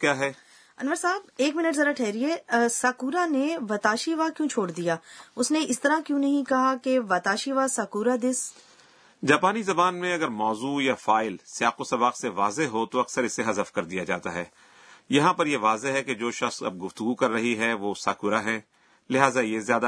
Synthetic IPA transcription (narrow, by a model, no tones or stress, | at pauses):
kjaːɦɛː | ɐnʋəɾsaːbeːkmɪnəʈzɐːd̪aʈʰɛːɾiɛːsaːkuːɾaneʋɐt̪aːʃiʋakjũːt͡ʃʰoːɽd̪ijaːʊsneʔɪst̪ɐɾakjũːnɐɦĩkɐɦakeʋɐːt̪aːʃiʋasaːkuːɾad̪ɪs | d͡ʒaːpaːnizɐbaːnmẽɐɡəɾmɔːzuːjafaːɪlsɪjaːqosɐbaːqseʋaːzeɦot̪oɐksəɾɪsːeɦɐzəfkɐɾd̪ijad͡ʒa̰ːt̪aɦɛː | jɐɦãpɐɾjeʋaːzeɦɛked͡ʒoːʃɐxsɐ̰b̚ɡʊft̪ʊɡukɐɾːɐɦiɦɛʋoːsa̰ːkuːɾaɦɛ̃ː | lɪɦaːzajezjaːd̪a